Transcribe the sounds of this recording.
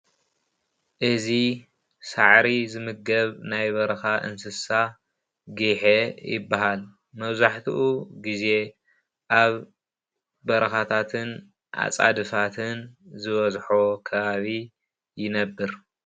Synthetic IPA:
ʔɨzi | saʕɾizɨmɨɡɐβnajβɐɾɐxaʔɨ̰nsɨsa | ɡiħejɪ̰bːaɦal | mɐβzaħt̪ʰḭʔuɡize̞ | ʔaβ | bɐɾɐxat̪ʰat̪ʰɨn | ʔa̰t͡sʼa̰d̪ɨfat̪ʰɨnzɨβɐzħokʰɐβaβi | jɪnɐbːɨɾ

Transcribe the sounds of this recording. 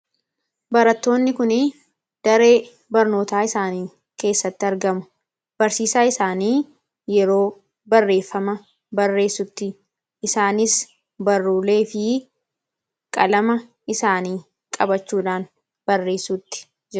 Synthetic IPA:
bɐɾɐt̪ːo̞ːnːɪkʊnɪ | d̪̥ɐɾe̞ː | bɐɾno̞ːt̪aːɪsaːniː | ke̞ːsːɐt̪ːɪɐɾɡɐmʊ̥ | b̥ɐɾsiːsaːɪsaːniː | jɛɾo̞ː | bɐrːe̞ːfːɐmɐ | bɐrːe̞ːsːʊt̪ːɪ | ɪsaːnɪs | bɐrːuːleːfɪ | kʼɐlɐmɐ | ɪsaːniː | kʼɐbɐt͡ʃːuːᶑaːn | bɐrːe̞ːsuːt̪ːɪ̥ | d͡ʒɛ

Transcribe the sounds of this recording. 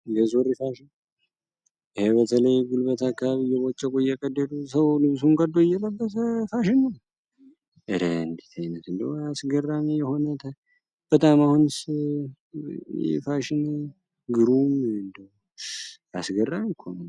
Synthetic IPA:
jɛzorifaʃɪn | ɪhebət̪ʰələjɡulbət̪ʰakːaβaβijɛβot͡ʃʼːɛkʼojɛkʼəd̪ːəd̪usəwlɨβs̬unkʼəd̪ːoɪjːɛləbːət̪əfaʃɪnːə | ʔɨɾeɨnd̪it̪ʰajnət̪ɨnd̪əwasɡərːamijɛho̞nət̪ʰə | b̥ət̪ʼamahuns | ɛ̰faʃɪn | ɡɨɾumɨnd̪əw | asɡərːamikʰːon

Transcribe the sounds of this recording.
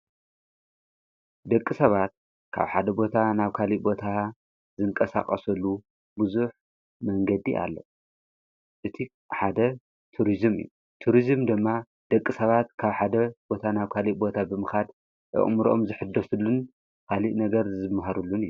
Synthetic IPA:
d̪ɐkʼːisɐβat̪̚ | kʰa̰βħad̪ɐbo̞t̪ʰanaβkʰaliʔbo̞t̪ʰa | zɨŋkʼɐsa̰χʼɐsɐlːu | bɨzuħ | mɐŋɡɐd̪iʔa̰lːo̰ | ʔɨt̪ʰi | ħad̪ɐ | t̪ʰuɾizɨmɨ̰jːu | t̪ʰuɾizɨmd̪ɨmːa | d̪̥ɐkʼːisɐβat̪̚kʰaβħad̪ɐbo̞t̪ʰanaβkʰaliʔbo̞t̪ʰabɨmɨxad̪ | ʔɨ̰ʔʼmɾomzɨħɨd̪ːɐsulːun | kʰaliʔnɐɡɐɾzɨmːɦɐɾulːunɨjːu

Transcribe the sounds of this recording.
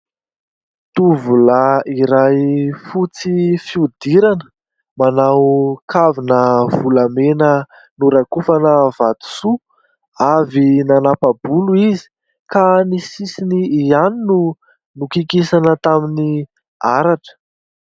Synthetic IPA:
t̪uvulaiɾajfut͡sifiud̪iɾanə̥ | manawkʰavinəvulamenə | nuɾakufanəvad̪u̥su | avinanapabuluizi̥ | kanisisiniianinu | nukikisanət̪amini | aɾaʈ͡ʂə̥

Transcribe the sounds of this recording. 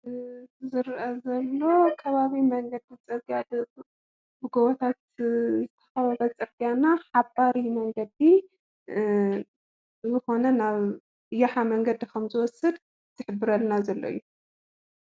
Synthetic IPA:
zɨɾʔɐzɐlːo̞kʰɐβaβimɐŋɡɐd̪it͡sʼɨɾɡjab | bɨɡoβot̪ʰat̪̚zɨt̪ʰɐ̥xɐβɐβɐt͡sʼɨɾɡijanaħabaɾimɐŋɡɐd̪i | zɨxo̞nɐnaβ | jaħamɐŋɡɐd̪ikʰɐmzɨwɔsɨd̪ | t̪ʰɨħɨbːɨɾɐlnazɐlːo̰jːu

